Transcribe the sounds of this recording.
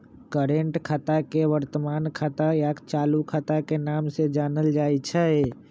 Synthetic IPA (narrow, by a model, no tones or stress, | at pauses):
kəɾẽɳʈkʰaːt̪akeʋəɾt̪əmaːnkʰaːt̪ajaːkt͡ʃaːlukʰaːt̪akenaːmsed͡ʒaːnəld͡ʒaːit͡ʃʰae